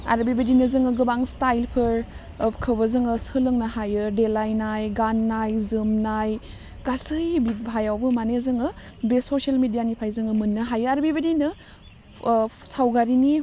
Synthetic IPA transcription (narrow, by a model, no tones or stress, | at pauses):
a̰ɾbibedinɐzɯŋɯɡɯbaŋstajlpʰɯɾ | kʰɯbɐzɯŋɯsɯlɯŋnɐhajɯdelajnajɡanːajzɯmnaj | kasɯjbit̚bʱajawbɯmanezɯŋɯ | besosialmidijanipʰajzɯŋɯmɯnːɯɦajɯaɾbibɐdinɯ | sawɡaɾini